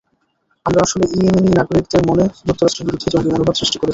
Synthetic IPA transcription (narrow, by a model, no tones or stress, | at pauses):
amɾaaʃoleʔiememinaɡoɾikd̪eɾmoned͡ʑuk̚t̪ːoɾaʃʈɾeɾbiɾud̪ʱed͡ʑonʈimonobʱabsɾiʃʈi̥koɾet͡ɕʰi